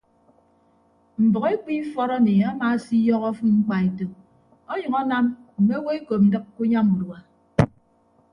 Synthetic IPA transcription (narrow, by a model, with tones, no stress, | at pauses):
m̩˨bɔ˨ɣe˦k͡pi˦fɔ˦ɾɔ˦ne˨a˦ma˦˨si˦jɔ˦ɣɔ˦fu˦ŋ͡m̩˦k͡pa˨e˨to˨ | ɔ˦ɲʌ˨ŋɔ˦na˦mm̩˨me˦we˦e˦ko˨p̚n̩˨˦dɨ˦k̚ku˦ɲa˦mu˨dwa˨